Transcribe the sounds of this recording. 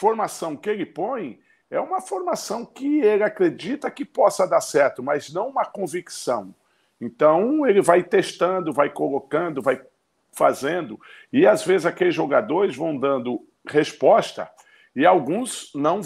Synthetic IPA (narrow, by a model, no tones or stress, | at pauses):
foɾmasɐ̃w̃kɪelɪpõj̃ | ɛũmɐfoɾmasɐ̃w̃kɪelɪakɾed͡ʒit̪ɐkɪpɔsɐd̪aɾsɛɾt̪ʊmɐznɐ̃w̃ũmɐkõviksɐ̃w̃ | ẽnt̪ɐ̃w̃elɪvajt̪eʃt̪ɐ̃nd̪ʊvajkolokɐ̃nd̪ʊvaj | fazẽnd̪ʊ | ɪazvezɪzakelɪzʒoɡad̪oɾɪzvɐ̃w̃d̪ɐ̃nd̪ʊ | hespɔst̪ɐ̰ | ɪawɡũznɐ̃w̃